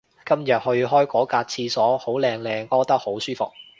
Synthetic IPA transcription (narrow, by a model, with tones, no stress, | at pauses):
kɐ˥mjɐ˨˩t̚hɵ˧ɥɦɔː˥jkɔː˨˥kaː˧t̚t͡sʰiː˧sɔː˨˥ho˨˥wlɛː˧ŋlɛː˧ŋɔː˧t̪ɐ˥k̚ho˨˥wsyː˥fʊ˨˩k̚